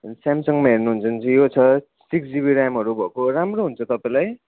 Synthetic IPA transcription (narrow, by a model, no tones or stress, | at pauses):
ʌnsamsʌŋmaɦernuɦunt͡sʰʌnt͡sʰʌ̃jot͡sʰʌ | sikd͡ziβiɾamɦʌɾubʱʌkoɾamroɦunt͡sʰʌt̪ʌpaj̃laj